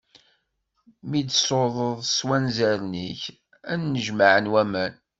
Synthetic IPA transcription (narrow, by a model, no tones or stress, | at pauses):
mid̪soðˤəðˤswænzæɾniç | ænːəʒmaʕənwæmæn